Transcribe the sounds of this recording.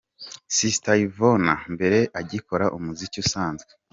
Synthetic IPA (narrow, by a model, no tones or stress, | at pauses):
sistaivonambe̞ɾe̞ʔaɟiko̞ɾaʔumuzicusaːnzɡe